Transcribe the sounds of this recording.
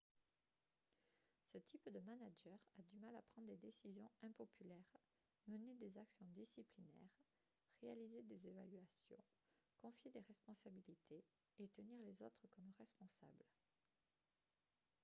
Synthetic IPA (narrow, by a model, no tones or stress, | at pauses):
sət̪ʰipd̪əmanaʒœʁad̪ymalapχɑ̃d̪ʁd̪ed̪esizjɔ̃ɛ̃pɔpʰylɛʁ | məned̪ezaksjɔ̃d̪isiplinɛ̰ʁ | ʁealized̪ezevalɥasjɔ̰̃ | kɔ̃fjed̪eʁɛspɔ̃sabilit̪ʰe | et̪əniʁlezot̪χəkɔmʁɛspɔ̃sa̰bl